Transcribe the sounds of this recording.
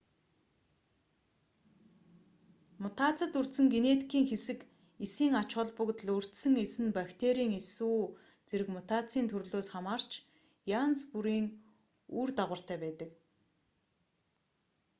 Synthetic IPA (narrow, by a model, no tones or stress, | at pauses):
mʊt̪ʰat͡sə̆t̪ɵr̥t̪sɘ̆ŋɡenet̪kʰiːŋxesɘ̆k | esiːŋat͡ɕχə̆ɮpɵkt̪ə̆ɮur̥t̪sɘ̆ŋesɘ̆npakt̪ʰeɾiːŋesuː | t͡seɾɘ̆kmʊt̪at͡siːnt̪ʰɵɾɮoːsχamaːr̥t͡ɕ | jant͡spuɾiːŋ | urt̪aʁə̆r̥t̪æːpæːt̪ə̆k